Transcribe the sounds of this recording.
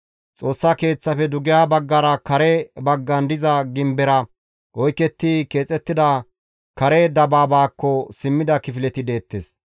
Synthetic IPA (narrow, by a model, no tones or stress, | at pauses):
t͡sʼo̞ːsːake̞ːt͡sːɐfɛd̪ʊɡɪjaːbɐɡːɐɾɐkɐɾɛbɐɡːɐnd̪ɪzɐɡɪmbɛɾɐ | ʔɔjkɛt̪ːike̞ːt͡sʼɛt̪ːɪd̪ɐ | kɐɾɛd̪ɐbaːbaːkːɔsɪmːɪd̪ɐkɪfɪlɛt̪ɪd̪e̞ːt̪ːes